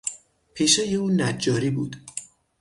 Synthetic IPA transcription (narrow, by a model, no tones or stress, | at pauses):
pʰeʃejeuːnæd͡ʒːɒːɾiːbuːd̪̥